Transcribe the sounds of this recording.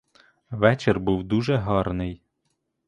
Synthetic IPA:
ʋɛt͡ʃerbuwd̪uʒɛɦɑrnɪj

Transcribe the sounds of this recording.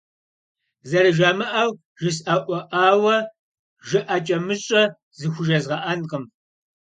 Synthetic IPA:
zɐɾɨʒamɨʔaw | ʒɪs̬aʔʷɔʔaːwɐ | ʒɪʔɐt͡ʃʼɐmɨɕʼɐ | zɨxʷʊʒɐzʁɐʔɐnqʼəm

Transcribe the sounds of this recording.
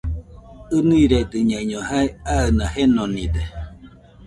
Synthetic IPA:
ɯniiɾed̪ɨɲaɲohaeaənahenonid̪e

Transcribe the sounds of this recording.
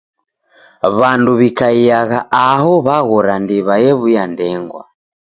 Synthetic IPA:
βanduβikaiaɣaʔaɦɔβaɣɔɾandiβajɛβujandɛŋɡwa̰

